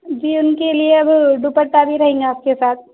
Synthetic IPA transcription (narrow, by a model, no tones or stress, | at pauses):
d͡ʒiːʊnkelieɐbɖupəʈːabʱiɾɐɦẽːŋɡaːpkesaːt̪̚